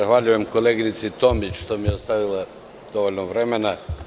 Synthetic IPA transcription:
axʋaʎujemko̞leɡinit̪sit̪o̞mit͡ʃʃt̪omijeost̪aʋila | d̪̥o̞ʋoʎʲnoʋɾe̞mena

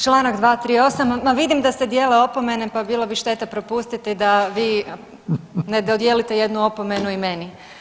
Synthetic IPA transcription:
t͡ʃlˠaːnaɡd̪ʋaːt̪ɾiːo̞samːaʋid̪imd̪ase̞d̪je̞ːle̞o̞po̞me̞nepabiːlˠobiʃt̪e̞t̪apɾo̞pust̪it̪ɛd̪aʋiː | ned̪od̪jeːlit̪e̞je̞d̪nuo̞po̞me̞nuime̞ni

